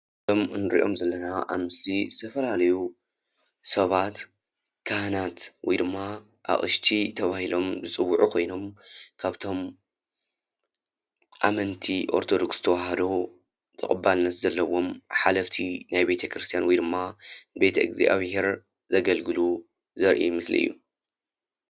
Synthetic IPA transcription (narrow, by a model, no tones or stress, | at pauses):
omɨnɨɾḭʔo̞̰mzɐlːɐnaʔa̰βmɨslizɨt̪ʰɐfɐlalɐju | sɐβat̪ | kʰahnat̪wɔjd̪ɨmːa | ʔa̰χʼɨʃt̪ʰit̪ʰɐβahilo̞mbɨt͡sʼɨwːuʕukʰo̞jno̞mkʰaβt̪ʰo̞m | ʔa̰mɐnt̪ʰiʔo̞̰ɾt̪ʰo̞d̪oksɨ̥t̪ʰɐwaɦɐd̪o | t̪ʰɐkʼɨbːalnɐt̪zɐlːɐwo̞mħalɐft̪ʰinajbe̞t̪ʰɐkɾɨst̪ʰijanwɔjd̪ɨmːaɨbe̞t̪ʰɐɨ̰ɡzḭʔa̰βhe̞ɾ | zɐɡɐlɡɨlu | zɐɾʔḭmɨslḭɨ̰jːu